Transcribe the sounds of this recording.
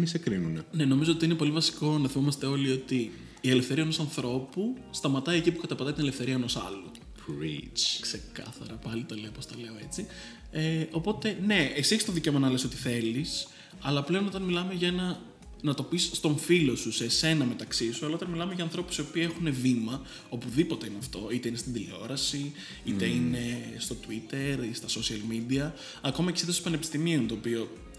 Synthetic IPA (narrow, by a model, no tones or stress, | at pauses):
misekɾinunene̞no̞mizo̞o̞t̪iine̞po̞livɐsi̥ko̞nɐθimomɐst̪e̞o̞lio̞t̪iː | e̞lefθe̞ɾiɐnosɐnθɾo̞pust̪ɐmɐt̪ɐie̞cipukɐt̪ɐpɐt̪ɐit̪inelefθe̞ɾiɐenosɐ̰lo | pɾḭt͡ʃkse̞kɐ̰θɐ̰ɾɐpɐlit̪ɐle̞opost̪ɐle̞o̞e̞t͡si | eo̞po̞t̪e̞ne̞ekseçist̪oðiceomɐnɐleso̞t̪i̥θe̞lis | ɐlɐple̞onot̪ɐnmilɐme̞ʝɐenɐ | nɐt̪o̞pisːt̪o̞ɱfilo̞susese̞nɐme̞t̪ɐksisuɐlɐo̞t̪ɐnmilɐmeʝɐːnθɾo̞pusio̞piːe̞xune̞vimɐ | o̞puðipo̞t̪ɐineɐft̪o̞it̪e̞inest̪ind̪ileo̞ɾɐsi | it̪e̞ine̞st̪o̞t̪uit̪e̞ɾist̪ɐso̞siɐlmid̪iɐː | ko̞mɐcesit̪su̥pɐne̞pi̥st̪imiunt̪o̞ːpio̞